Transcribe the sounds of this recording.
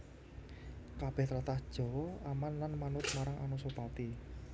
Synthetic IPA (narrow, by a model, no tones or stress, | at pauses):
kab̥ɛht̪ɾat̪ahd̥ʒ̥ɔ̤amanːanmanʊt̪̚maɾaŋʔa̰nusopat̪i